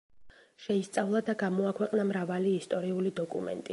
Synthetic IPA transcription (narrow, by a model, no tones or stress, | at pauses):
ʃɛist̪sʼavlˠad̪aɡamɔakʰwɛqʼnamɾavaliːst̪ʼɔɾiulid̪ɔkʼṵmɛ̰nt̪ʼi